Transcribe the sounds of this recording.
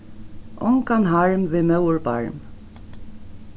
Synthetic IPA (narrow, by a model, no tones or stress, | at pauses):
ʔɔŋkanɦaɹmʋɪmœwɹba̰ɹm